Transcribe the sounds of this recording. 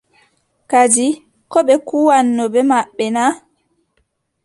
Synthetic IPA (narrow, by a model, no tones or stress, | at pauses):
kad͡ʒi | kɔɓɛkuwanːɔbɛmaɓːɛna